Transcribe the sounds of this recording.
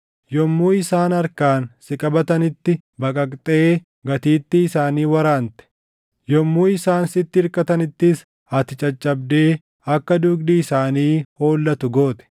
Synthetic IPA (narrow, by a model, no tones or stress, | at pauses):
jɔmːuːɪsaːnɐɾkaːnsɪkʼɐbɐt̪ɐnɪt̪ːɪ | bɐkʼɐkʼt̪ʼeː | ɡɐt̪iːt̪ːɪːsaːniːwɐɾaːnt̪ɛ̥ | jɔmːuːɪsaːnsɪt̪ːɪːɾkʼɐt̪ɐnɪt̪ːɪs | ɐt̪ɪt͡ʃʼɐt͡ʃʼːɐb̚d̪e̞ː | ɐkːɐd̪ʊɡd̪iɪsaːniːho̞ːlːɐt̪ʊɡo̞ːt̪ɛ̥